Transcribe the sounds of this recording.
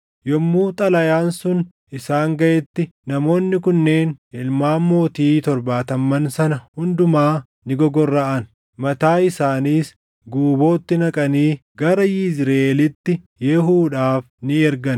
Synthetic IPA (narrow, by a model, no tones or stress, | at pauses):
jɔmːuːt̪ʼɐlɐjaːnsʊn | ʔɪsaːŋɡɐʔɛt̪ːɪnɐmo̞ːnːɪkʊnːe̞ːnɪlmaːmːo̞ːt̪iːt̪ɔɾbaːt̪ɐmːɐnsɐnɐhʊnd̪ʊmaː | nɪɡɔɡɔrːɐʔɐn | mɐt̪aːɪsaːniːs | ɡuːbo̞ːt̪ːɪnɐkʼɐniːɡɐɾɐjɪzɾɐelɪt̪ːɪ | jɛɦuːᶑaːfnɪɛɾɡɐn